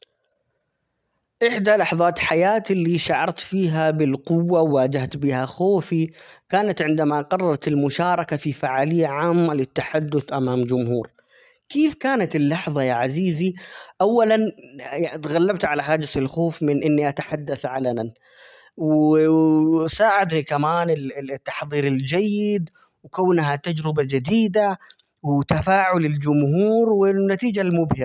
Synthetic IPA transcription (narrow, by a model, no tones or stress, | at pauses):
ʔɪħd̪alɑħðˤɑːt̪ħajaːt̪lːiʃaʕɑɾˤt̪fiːɦabɪlqʊwːawad͡ʒaht̪bɪhaxoːfikaːnat̪ʕɪnd̪amaqɑrˤːɑɾˤɑt̪ɪlmʊʃaːɾˤɑkafifaʕaːlɪjːaʕaːmːalɪt̪ːaħad̪ːʊθʔamaːmd͡ʒʊmhuːɾ | keːfkaːnat̪ɪlːɑħðˤɑjaːʕaziːziʔawːalan | t̪ɣalːabt̪ʕalaɦaːd͡ʒɪsɪlxoːfmɪnʔɪnːiʔat̪ḁħad̪ːaθʕalanan | wɪ | saːʕɪd̪nikamaːnɪt̪ːɑħðˤiːɾɪld͡ʒajːɪd̪ | wɪkaːnɦat̪ad͡ʒɾɪbad͡ʒɪd̪iːd̪a | wɪt̪afaːʕʊlɪld͡ʒʊmhuːɾwɪnːat̪iːd͡ʒalmʊbhɪ